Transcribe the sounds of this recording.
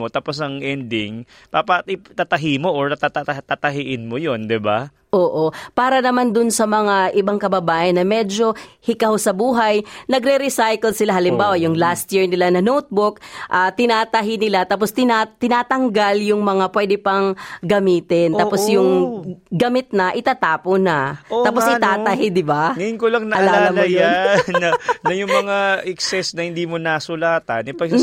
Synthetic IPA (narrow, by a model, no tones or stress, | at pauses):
ot̪aːposɐŋʔɛnd̪ɪŋ | paːpɐɪt̪at̪ɐɦimoʔoɹt̪at̪at̪ɐt̪at̪ɐɦiʔɪnmojond̪ɪba | ʔoːʔopaːɾɐnɐmand̪ʊnsɐmɐŋaʔɪbaŋkɐbɐbaːʔɐnːɐmɛd͡ʒo̞hɪkawsɐbuːɦɐjnɐɡɾɛɾɪsajkɛlsɪlaɦɐlɪmbaːwɐjʊŋlast̪jiɹnɪlanɐnowt̪̚bʊk̚ʔat̪ɪnaːt̪ɐɦɪnɪlat̪aːp̬ost̪ɪnat̪ɪnaːt̪ɐŋɡaljʊŋmɐŋapwɛd̪ɛpɐŋɡɐmiːt̪ɛnt̪aposjʊŋɡɐmɪt̪̚nɐʔɪt̪aːt̪aːponɐot̪aːposɪt̪aːt̪ɐɦɪd̪ɪbaŋɐjʊnkolɐŋnɐʔɐlaalːɐmjanːɐnɐjʊŋmɐŋaɛksɛsnɐhɪnd̪iːmonasʊlaːt̪ɐ̰nɪpɐ